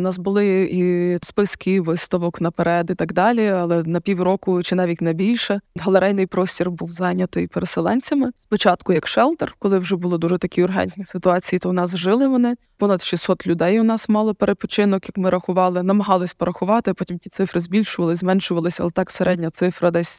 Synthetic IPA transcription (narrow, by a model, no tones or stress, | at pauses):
ʊnɑsbʊlˠɪispɪskʲɪʋɪst̪ɐʋɔknɐpeɾɛd̪it̪ɑɡd̪ɑlʲiɐlˠɛnɐpʲiwrɔkʊt͡ʃɪnɑʋʲitʲnɐbʲilʲʃɛɦɐlˠeɾɛjnɪjpɾɔsʲtʲirbuwzɑnʲɐt̪ɪjpeɾeselˠɛnʲt͡sʲɐmɪspɔt͡ʃɑt̪kʊjɐkʃɛlˠt̪ɛrkɔlˠɪwʒɛbʊlˠɪd̪uʒɛt̪ɐkʲiʊrɦɛ̰nʲtʲnʲisɪt̪ʊɑt͡sʲijit̪ɔnɑsʒɪlˠɪʋɔnɪ | pɔnɐd̪ʃʲisːɔt̪lʲʊd̪ɛjʊnɑsmɑlˠɔpeɾed̪̚pɔ̥t͡ʃɪnɔkjɐkmɪɾɐxʊʋɑlˠɪnɐmɐɦɑlˠɪsʲpɔɾɐxʊʋɑt̪ɪpɔtʲimtʲit̪sɪfɾɪzbʲilʲʃʊʋɐlˠɪzmɛnʃʊʋɐlˠɪsʲɐ̰lˠɛt̪ɑkseɾʔɛdʲnʲɐt̪sɪfɾɐd̪ɛsʲ